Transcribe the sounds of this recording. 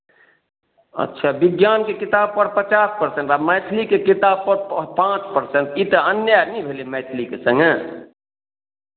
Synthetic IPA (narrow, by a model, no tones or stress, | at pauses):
ə̰tːʃʰabɪɡjaːnkekit̪ab̚pəɾpət͡ʃaːspəɾsẽnʈamɛɪt̪ʰlikekit̪aːb̚pəɾpãt͡ʃpəɾsẽnt̪it̪əənjanibʱelimɛːt̪ʰlikesə̃ŋɡe